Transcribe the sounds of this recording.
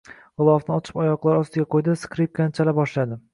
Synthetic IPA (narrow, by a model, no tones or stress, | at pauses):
ʁɨlˠɒfnɪɒt͡ʃʰɪ̥pɒjɒqlˠaɾɒst̪ɪɡʲaqʰojd̪ɪskɾip̚kʲanɪt͡ʃʰalabɒʃlad̪ɪ